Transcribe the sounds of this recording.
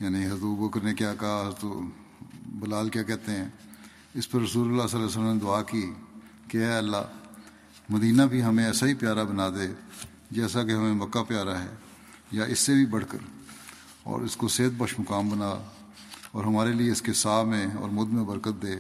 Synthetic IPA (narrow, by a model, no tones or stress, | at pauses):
jaːnĩɦɐət̪obəkəɾnẽkjaːkɐɦaɦɐɾət̪o | bɐlaːlkjaːkɛɦt̪eɦɛ̃ː | ɪspəɾːɐsuːləlːasəlːaːs̬ələmned̪ʊaːki | keɛːɐlːa̰ː | mɐd̪iːnabʱiɦɐmẽɛːsaɦipjaːɾabɐnaːd̪eː | d͡ʒɛːsakeɦɐmẽmɐkːapjaːɾaɦɛ̰ː | jaʔɪsːebʱibɐɽ̤kə̰ɾ | ɔ̰ːɾɪskoseːt̪̚bəʃmʊkaːmbɐnaː | ɔːɾɦɐmaːɾelieɪskesaːmẽɔ̰ːɾmʊd̪mẽbɐɾkət̪̚d̪eː